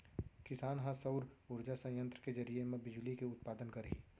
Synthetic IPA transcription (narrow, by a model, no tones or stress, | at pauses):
kɪsaːnɦãsɐʊɾʊɾd͡ʒasɐ̃jə̃nt̪ɾəked͡ʒɐɾijemẽbɪd͡ʒlikeʊt̪̚paːd̪ənkɐɾḭː